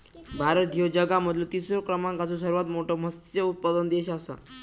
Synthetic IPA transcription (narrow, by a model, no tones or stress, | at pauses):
bʱaɾət̪̚d̪ʱod͡ʑəɡam̤əd̪lot̪isɾokɾəmãŋkat͡sũsəɾuʋat̪moʈom̤əst̪eut̪̚pad̪ənd̪eɕasa̰